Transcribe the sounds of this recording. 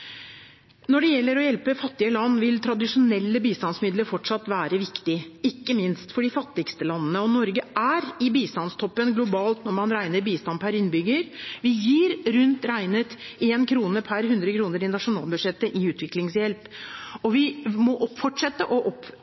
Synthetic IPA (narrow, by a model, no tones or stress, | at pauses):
nɔɖɛjɛlːəɾɔjɛlpəfɑt̪ːɪəlɑnːʋɪlt̪ʰɾɑd̪ɪʂʊnɛlːəbiːst̪ɑnsmɪd̪ləɾfɔʈʂɑt̪ːʋæːɾəʋɪkt̪ɪɪkːəmɪnst̪fɔɖɪfɑt̪ːɪɡst̪əlɑnːənəɔnɔɾɡəʔæɾɪbiːst̪ɑnst̪ʰɔpːənɡlʊbɑːlt̪nɔɾmɑnɾæɪnəɾbiːst̪ɑnpʰæɾɪnːbʏɡəɾʋɪjiːɾɾʉnt̪ɾæɪnət̪eːnkʰɾuːnəpʰæɾɦʉnd̪ɾəkʰɾuːnəɾɪnɑʂʊnɑ̰ːlbʉʂɛt̪ːəʔɪʉːt̪ʰʋɪklɪŋsjɛlpɔʋɪmɔʔɔpfɔʈʂɛt̪ːəʔɔʔɔp